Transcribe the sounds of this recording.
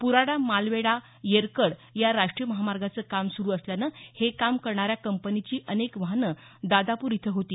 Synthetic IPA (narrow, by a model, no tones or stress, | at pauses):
puɾaɽamalʋeɽa | jeɾkəɽjaɾaʂʈɾijəməɦamaɾɡat͡səːkamsuɾuːəsljanəhekamkəɾɳaɾjakəmpənit͡ɕiːʔənekʋəɦnə | d̪ad̪apuːɾit̪ʰəɦot̪iː